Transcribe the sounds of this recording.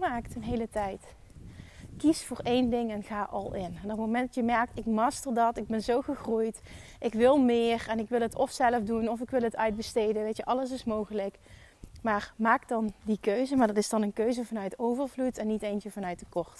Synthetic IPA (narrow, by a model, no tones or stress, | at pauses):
maːktənɦejlətɛjt | kisfʊːɹejndɪŋɛnɣaːʔɑ̰lˠɪnɛnɔtmomɛndɑtjəmɛɹk̚tɪk̚mɑstərdɑtɪɡ̚bɛnzowχəχrujt | ʔɪkʋɪlˠmɪːrɛnɪkʋɪlˠɦətʰɔfsɛləfdunɔfɪkʋɪlˠɦətœɥd̚bəstejdənʋejtəʔɑləs̬ɪsmowχələk | maːɹmaːkdɑndikøɥzəmaːɹdɑtɪsdɑnənkøɥzəvɑnœɥtowvərvlutʰɛnːitejnt͡ʃəvɑnœɥt̚dəkɔɹt